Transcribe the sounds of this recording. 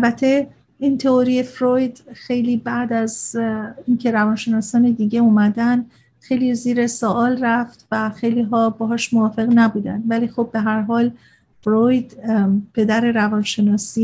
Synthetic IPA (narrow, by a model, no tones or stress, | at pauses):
ælbæt̪ʰe̞ | iːnt̪ʰeoɾie̞fɾojd̪xe̞jliːbæd̪æz | incʰe̞ɾævɒːnʃe̞nɒːsɒːned̪iːɟe̞uːmæd̪ænd̪̥ | xe̞jliziːɾe̞soʔɒːlræft̪væxe̞jliːɦɒːbɒːɦɒːʃmovɒːfe̞ɣnæbuːd̪æ̰nd̪væliːxobːe̞ɦæɾɦɒːl | fɾojd̪pʰe̞d̪æɾe̞ɾævɒːnʃe̞nɒːsiː